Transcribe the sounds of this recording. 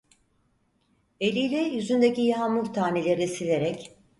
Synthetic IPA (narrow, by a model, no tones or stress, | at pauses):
e̞lʲijlʲɛjyzynd̪ecijɦamuɾt̪ʰaːnelʲe̞ɾnisilʲe̞ɾɛc